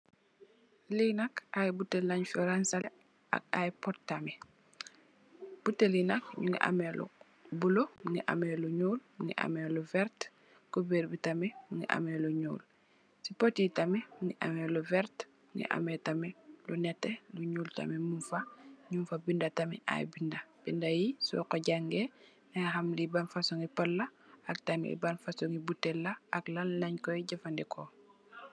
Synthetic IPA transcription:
linakajbutːelaɲfɔɾansa | a̰kajpɔttːamɛ | b̥utːelinakɲuŋɡḭʔa̰mɛlṵ | bulomuŋɡiʔa̰mɛluɲuːlmuŋɡḭʔa̰mɛluvɛɾt | kobeːɾbitamɛmuŋɡḭʔa̰mɛluɲṵːl | sipotitamɛmuŋɡiʔɐ̰mɛluvɛrt | muŋɡḭʔɐ̰mɛtɐmɛlunɛtːɛluɲuːltɐ̰mɛmunfɐɲumfɐbindɐtɐmɛ̰ʔa̰jbindɐb̥indɐjisṵkɔɟaŋɡɛ | ŋaxɐmlibɐnfasɔŋipɐlːɐɐk̚tɐmɛ̰ḭbɐnfɐsɔŋibutːɛlːɐʔɐklɐlːɐɲkɔjɟɐfɐndɛkʰɔ

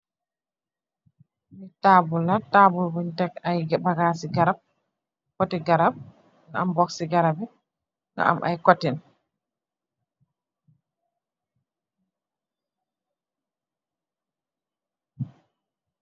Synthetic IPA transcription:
mitabulːatabulbuntɛkajɡbaɡaːsiɡaɾab̚ | kotiɡaɾab̚ | naa̰mbɔksiɡaɾabɛ | ŋɡa̰ʔa̰mʔa̰jkotɛn

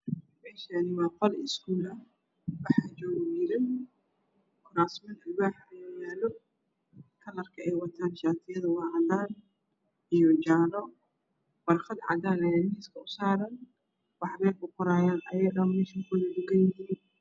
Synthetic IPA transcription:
mɛːʃɐnɪwɑːqɔlɪskʰuːlɐ | wɑħaːt͡ʃɔːɣd͡ʒɪɾɪn | kʰʊɾaːsmɐnɐlbaːħjaːlɔ | kʰɐlɐrkʰɐɛjwɐt̪ʰaːnʃaːt̪ʰɪjɐðɐwɑʕɑd̪aːn | ijɔt͡ʃaːlɔ | wɐrxɐd̪ʕɑ̰d̪aːnɐjamiːskʰɐʊsaːɾɐn | wɑħβɛːlbʊqʊɾaːjaːnɐjɐɣɐmɛːʃɐkʰʊlɐdʊɡɐj

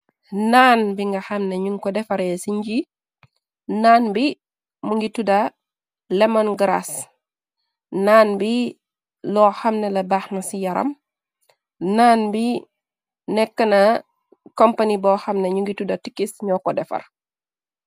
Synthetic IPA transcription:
naːnbiŋɡɐxɐmneɲuŋkɔdɛfɐɾɛsiɲɟi | naːnbi | muŋɡitudɐ | lɛmanɡɾa̰s | naːnbi | lɔxɐmnelɐbaːxnɐsijɐɾɐ̰m | naːnbi | nɛkːɐnɐ | kompanibɔːxɐmneɲuŋɡitudɐtikːisɲɔkɔdɛfɐ̰r

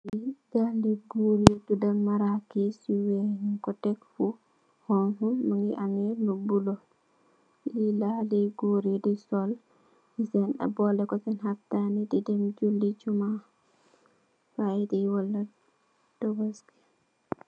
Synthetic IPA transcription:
iɡandiɡuɾidudalmaɾakisiwɛkɔtɛkfu | hɔnhumaŋɡiʔaŋɛlubulɔ | lilaliɡoɾidisɔl | sɛnɗa̰bɔlɛkɔsɛnɦaftanididɛmd͡ʒuldit͡ʃuma | faidɛjwɔlːa | dɔbɔski̥

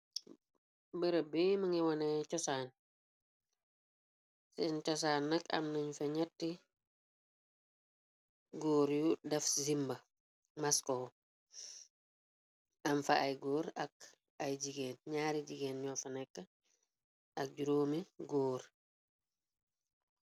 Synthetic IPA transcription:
bəɾəbimɐŋiwɐnɛcɔsaːn | sɛnt͡ʃɔs̬aːnːɐkɐ̰mnɐɲufɐɲɛtːi | ɡoːɾjudɐfzimbɐ | maskow | ɐmfɐʔajɡoːɾɐk | ɐjɟiɡeːnɲaːɾiɟiɡeːnɲɔːfɐnɛkːə | ʔɐk̚ɟuɾoːmiɡoːɾ

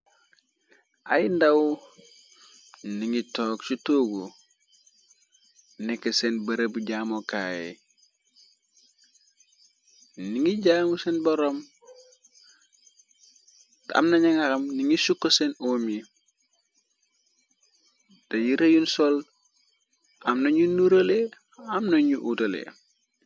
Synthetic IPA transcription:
ajndawu | niŋitoːksutoɡu | nekːesenbɐɾebuɟaːmokaːjḛ | niŋiɟaːmusenboɾom | ta̰mnɐɲɐŋaɾɐmniŋisukːosenoːmi | tɐjiɾɐjunsol | ʔamnɐɲunuɾɐle | amnɐɲuʔutɐlḛ

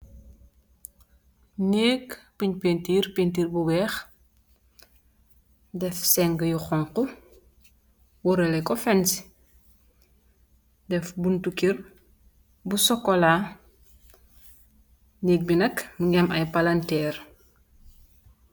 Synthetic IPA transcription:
neːkpiɲpentiːrpentiːɾbuwɛːx | dɛfsɛŋɡəjuxɔŋkɔ | wɔɾɛlɛkɔfɛns | dɛfbuntukir | busɔkːɔla | neːk̚binɐkməŋɡɛmɐjpalantɛːr

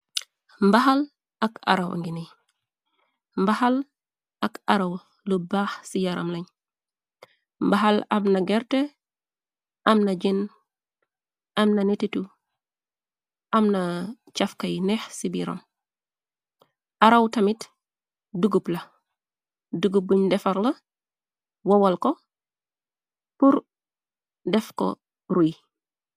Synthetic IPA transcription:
mbaɦal | aka̰ɾawʔŋɡinij | mbahal | akaɾaw | lubaːxsijaɾa̰mlaɲ | mbaɦalamnaɡɛɾte | ʔɐmnaɟin | ʔamnanititu | ʔamna | t͡ʃafkajnexsibḭɾo̰m | ʔaɾawtɐmit | duɡuplɐ | duɡup̚ːuɲdefaɾlɐ | wowalko | puɾ | defko̰ | ɾuj

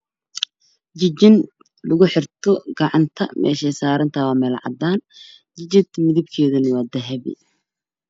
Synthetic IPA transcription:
d͡ʒɪd͡ʒɪn | lʊɣʊħɪrt̪ʰɔɡɑʕɑnt̪ʰɐ̰mʔɛ̰ːʃɛsaːɾɐnt̪ʰɐwaːmɛlʕɑ̰d̪ːaːn | d͡ʒɪd͡ʒɪd̪mɪðɪb̚kʰɛːðɐnɪwaːd̪ɛɦɛβɪ̰

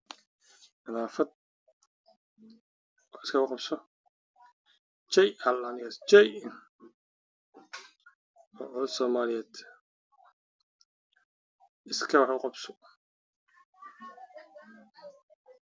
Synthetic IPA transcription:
mɪnaːfɐd̪̚ | ɔɪskʰɐqɑbsɔ | t͡ʃɛjɐlːanɪast͡ʃɛjn | ɔːʔɔsɔːmaːlɪjɛːd̪̥ | ʔɪskʰɐwħʊqɑbsɔ̥

